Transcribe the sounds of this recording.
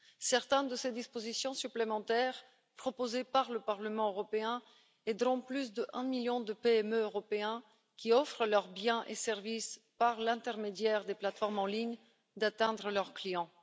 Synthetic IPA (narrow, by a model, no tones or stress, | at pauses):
sɛʁt̪ɛ̃nd̪əsed̪ispozisjɔ̃syplemɑ̃t̪ɛːʁ | pχɔpozepaʁləpaʁləmɑ̃øʁɔpeɛ̃ | ɛd̪ʁɔ̃plysd̪əʔɛ̃miljɔ̃d̪əpeɛmøːʁɔpeɛ̃ | kʲiɔfχəlœʁbjɛ̃ʔesɛʁvis | paʁlɛ̃t̪ɛʁmed̪jɛʁd̪eplat̪fɔʁmɑ̃liɲ | d̪at̪ɛ̃d̪ʁəlœʁklijɑ̃